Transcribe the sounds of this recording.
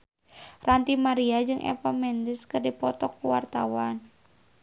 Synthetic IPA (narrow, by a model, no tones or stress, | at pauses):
rʔant̪imaɾiad͡ʒɨŋʔɛ̰pamɛndɪskɨrdipɔt̪ɔkːuwa̰rt̪awan